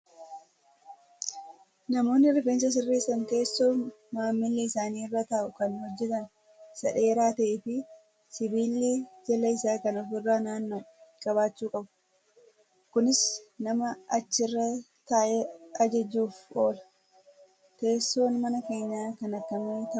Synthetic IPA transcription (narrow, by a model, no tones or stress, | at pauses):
nɐmo̞ːnːɪɪɾbeːns̬ɐs̬ɪrːeːsːɐnt̪e̞ːsːo̞ːn | maːmːɪlːiɪsaːniːrːat̪aːʔʊkɐnhɔd͡ʒːɛt̪ɐn | sɐᶑe̞ːɾaːt̪ɐʔeːfɪ | sɪbiːlːid͡ʒɐlɐɪsaːkɐnɔfɪrːaːnaːnːoːkʼɐβaːt͡ʃːuːkʼɐbʊ̥ | kʊnɪsnɐmɐɐt͡ʃːɪrːɐ | t̪aːʔɛɐd͡ʒɐd͡ʒːuːfo̞ːlɐ̥ | t̪e̞ːsːo̞ːnmɐnɐke̞ːɲːaːkɐnɐkːɐmeːt̪ɐ